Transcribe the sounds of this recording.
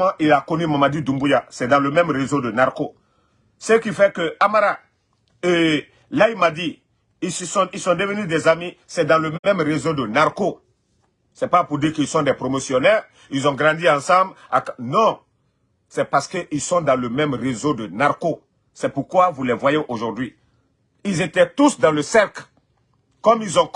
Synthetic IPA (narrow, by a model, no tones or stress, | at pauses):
ãʔilakɔnymamad̪ud̪ũmbujasɛd̪ɑ̃ləmɛ̃mʁezod̪ənaʁko | səkifɛkəamaɾa | e | lailmad̪i | issɔ̃ilsɔ̃d̪əvənyd̪ɛzamisɛd̪ãləɛ̃mʁezod̪ənaʁko | sɛpapuʁd̪iʁkilsɔ̃d̪ɛpʁomosjɔnɛːʁ | ilzɔ̃ɡʁɑ̃d̪iɑ̃sɑ̃blaknɔ̃ | sɛpaʁsə̥kəʔilsɔ̃d̪ãləmɛ̃mʁezod̪ənaʁko | sɛpuʁkwavulɛvwajeʔoʒuʁd̪ɥi | ilzet̪ɛt̪usd̪ɑ̃ləsɛʁkl | kɔmilzɔ̃